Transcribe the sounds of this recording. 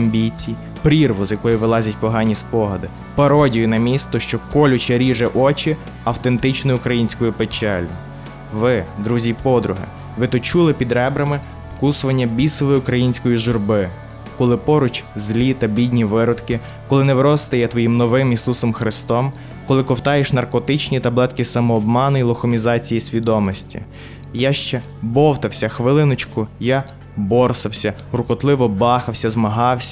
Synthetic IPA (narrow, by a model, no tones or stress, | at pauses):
ɐmʲbʲit͡sʲij | pɾʲirʋʊzjɐkɔjʊʋɪlˠɑzʲɐtʲpɔɦɑnʲispɔɦɐd̪ɪ | pɐɾɔdʲijʊnɐmʲist̪ɔʃt͡ʃɔkɔlʲʊt͡ʃɛɾʲiʒɛʔɔt͡ʃi | ɐwt̪ent̪ɪt͡ʃnɔjʊʊkɾɐjinʲsʲkɔjʊpet͡ʃɛlʲʊ | ʋɪd̪ɾuzʲipɔd̪ɾʊɦɛ̰ | ʋɪt̪ɔt͡ʃulˠɪpʲid̪ɾɛbɾɐmɪ | fkusʊʋɐnʲːɐbʲisɔʋɔjiʊkɾɐjinʲsʲkɔjiʒʊrbɪ | kɔlˠɪpɔɾʊt͡ʃʲzʲlʲit̪ɐbʲidʲnʲiʋɪɾɔd̪kɪ | kɔlˠɪnɛʋɾɔst̪ɐjɛt̪ʋɔjimnɔʋɪmisusɔmxɾɪst̪ɔm | kɔlˠɪkɔwt̪ɑjeʃnɐrkɔt̪ɪt͡ʃnʲit̪ɐblˠɛt̪kʲɪsɐmɔːbmɑnʊilˠɔxɔmʲizɑt͡sʲijisʲʋʲid̪ɔmɔsʲtʲḭ | jaʃt͡ʃɛ | bɔwt̪ɐwsʲɐxʋɪlˠɪnɔt͡ʃkʊja | bɔrsɐwsʲɐ | rʊkɔt̪lˠɪʋɔbɑxɐwsʲɐzmɐɦɑwsʲɐ